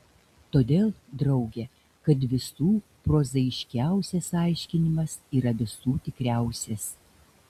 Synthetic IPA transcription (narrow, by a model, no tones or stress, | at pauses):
t̪oːd̪ʲeːlˠd̪ɾɒʊɡʲɛ | kɐt̪ʋʲɪsuːpɾoːzɐɪʃʲkʲæˑʊsʲɛsɑˑɪʃʲkʲɪnʲɪmɐsiːɾɐʋʲɪsuːt̪ʲɪkɾʲæˑʊsʲɛs